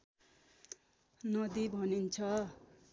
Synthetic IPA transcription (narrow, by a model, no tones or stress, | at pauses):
nʌd̪ibʱʌnint͡sʰʌ